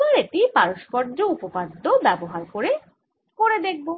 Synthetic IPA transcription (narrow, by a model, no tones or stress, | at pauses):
aɾeʈipaɾoʃpɔɾd͡ʑoupopad̪ʱːobɛboɦaɾkoɾe | koɾed̪ek̚ʰbo